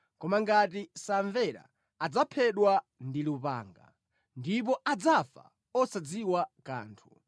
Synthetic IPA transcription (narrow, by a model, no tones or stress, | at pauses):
kɔmaŋɡatisaɱvɛɾa̰ː | d͡zapʰɛɗwandilupa̰ːŋɡa̰ | ndip̬ɔʔad͡zafa̰ | ɔsad͡ziwaka̰ːntʰu